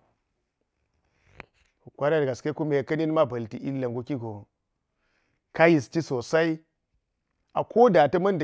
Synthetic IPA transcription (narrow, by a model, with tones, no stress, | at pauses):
ku˨kʷa˦ɾa˦da˨ɡa˨ske˦ku˦me˨kɐ˦ni˦n˦ma˦bɐ˨lti˨ʔḭ˦lːa˨ŋɡu˨ki˦ɡo˨ | ka˦ji˨sti˦so˨sa˦i˦ | a̰˨kʰo˦da˨tɐ˦mɐ˦nda˨